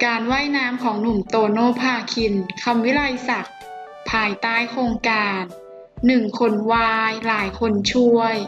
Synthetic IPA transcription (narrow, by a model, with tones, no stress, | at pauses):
kaː˧nwaː˥˩jnaː˦˥mkʰɔː˩˦ŋnu˨˩mt̪oː˧noː˧˥˩pʰaː˧˩kʰi˧nkʰa˧mwi˦˥ɾa˧jsa˨˩k̚ | pʰaː˧jt̪aː˥˩jkʰɾoː˧ŋkaː˧nː | ɯ˨˩ŋkʰo˧nwaː˧˥jlaː˩˦jkʰo˧nt͡ɕʰu˥˩əj